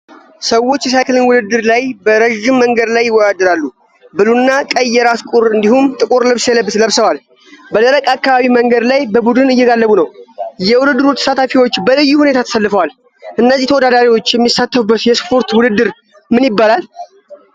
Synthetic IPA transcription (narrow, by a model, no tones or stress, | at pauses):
səwo̞t͡ʃːjɛs̬ajkɨlɨnwʊd̪ɨd̪ːɨɾlajbəɾəʒɪmːəŋɡəd̪lajːɪwːɔd̪ad̪ɨɾalːu | bɨlunːakʼəjːɛɾaskʼuɾɨnd̪ihumt̪ʼɨkʼuɾlɨβsjɛləbːsləβsəwal | bələɾəkʼakːaβaβiməŋɡəd̪lajbəbud̪ɨnɨjːɛɡalːəβunəwjɛwʊd̪ɨd̪ːɨɾut̪ʰə̥sat̪ʰafiwo̞t͡ʃːbəlɨjːuhune̞t̪ʰat̪ʰə̥salːɨfəwal | ʔɨnːəzːit̪ʰəwɔd̪ad̪aɾiwo̞t͡ʃːjɛmːisːat̪ːəfubːət̪jɛspʰo̞ɾt̪wʊd̪ɨd̪ːɨɾ | mɨnjɪbːalal